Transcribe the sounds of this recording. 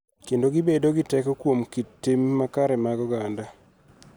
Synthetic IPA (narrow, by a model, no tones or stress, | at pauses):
kendoɡɪbedoɡɪtɛkɔkwomkitːimːakaɾɛmaɡɔɡanda